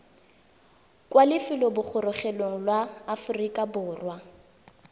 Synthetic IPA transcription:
kʼwalɪfɪlɔbʊk͡xʰʊrʊχɛloŋ̩lwaːfʊrikʼabʊːrwa

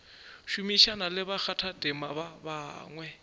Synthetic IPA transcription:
ʃumiʃanalɪβak͡xʰatʰadʼɪmaβaba̰ːŋwɛ

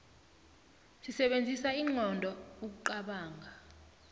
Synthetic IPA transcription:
sisɛɓend͡zʱisaiːŋɔndʱɔuk̬uǃaɓaːŋɡʱa

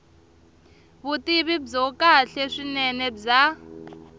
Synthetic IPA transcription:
βutiβib͡ʐɔkʼaɬɛʂinɛnɛb͡ʐa

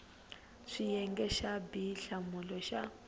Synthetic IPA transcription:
ʂijɛŋɡɛʃabiɬamulɔʃa

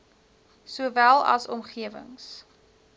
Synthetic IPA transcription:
suəvælˠɐ̰sɔmχiəvə̰ŋs

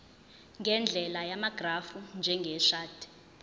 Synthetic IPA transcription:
ŋɡʱɛnd͡ɮʱɛlajamaɡ̥ʱrafund͡ʒʱɛŋɡʱɛʃaːd̥ɛ̥

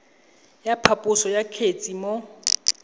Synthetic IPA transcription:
japʰapʼʊsɔjakʰet͡sʼimo

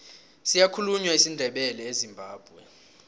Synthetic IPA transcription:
sijakʰuluɲwaisindʱɛɓɛlɛezimbʱaːb̥ʱwɛ

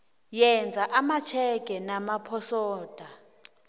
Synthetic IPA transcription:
jɛnd͡zʱaʔamat͡ʃʰɛɡ̥ʼʱɛnamapʰɔsɔːd̥ʱa

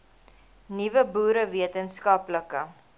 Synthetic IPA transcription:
nivəbuːɾəviətənskɐpləkə

